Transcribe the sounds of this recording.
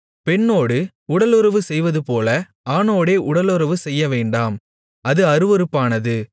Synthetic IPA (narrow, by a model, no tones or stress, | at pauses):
pɛɳːoːɽɯ | ʊɽɐlɯɾɐʋɯsɛjʋɐðɯpoːlɐ | aːnoːɽeːʔʊɽɐlɯɾɐʋɯsɛjːɐʋeːɳɖaːm | ɐðɯɐɾɯʋɔɾɯpːaːnɐðɯ